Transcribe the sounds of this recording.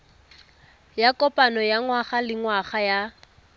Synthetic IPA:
jakʼɔpʼanɔjaŋwaχalɪŋwaχaja

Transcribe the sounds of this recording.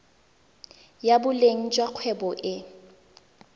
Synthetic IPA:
jabʊleŋ̩t͡ʃʼwaq͡χʰwɛbɔʔɪ

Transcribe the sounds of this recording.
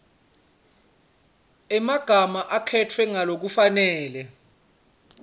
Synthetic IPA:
ɛmaɡ̥ʱamaʔakʰɛtʰwɛŋalok̬ufanɛːlɛ

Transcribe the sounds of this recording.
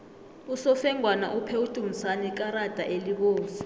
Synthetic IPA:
usɔfɛŋʱwanaʔupʰeutʼum̩sanik̬ʼaɾad̥ʱaʔeliɓoːsi̥

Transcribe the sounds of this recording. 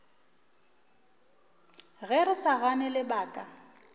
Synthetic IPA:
ɣɛrɪsaɣanɛlɪbaːkʼa

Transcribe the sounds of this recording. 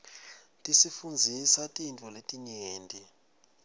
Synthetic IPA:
tʼisifund͡zʱisatʼintʼɔletʼiɲeːntʼi

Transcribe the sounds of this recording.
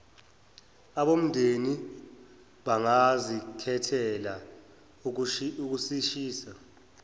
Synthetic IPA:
aɓom̩ndʱeni | ɓaŋazikʰɛtʰɛla | uk̬usiʃiːsa

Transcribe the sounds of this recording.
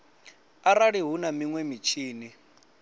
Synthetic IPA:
aɾaɺiɦunamiŋwɛmit͡ʃʰiːni

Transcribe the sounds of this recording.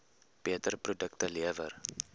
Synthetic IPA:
b̥iətərprodəktəliəvə̰r

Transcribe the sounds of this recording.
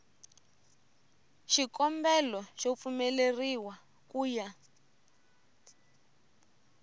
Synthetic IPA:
ʃikɔmbɛlɔʃop̪fumɛleriwa | kuːja

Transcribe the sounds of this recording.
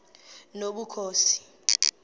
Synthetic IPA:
noɓukʰoːsi̥

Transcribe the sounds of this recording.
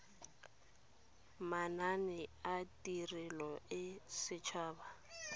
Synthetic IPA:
mananɪatʼirɪlɔɪsɪt͡ʃʰaːba

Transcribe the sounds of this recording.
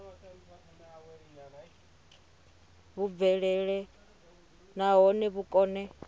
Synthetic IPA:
βub̪vɛɺɛɺɛ | naɦɔnɛβukʼɔːnɛ

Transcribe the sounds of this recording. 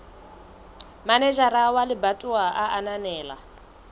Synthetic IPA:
manɛʒaɾawalibatʼuwaʔaʔananɛːla̰

